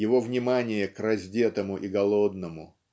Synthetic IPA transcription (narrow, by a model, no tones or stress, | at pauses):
jɪvo̞vnʲɪmanʲɪjəkrɐzʲdʲet̪əmʊʔɪɡɐlˠo̞d̪̚nəmʊ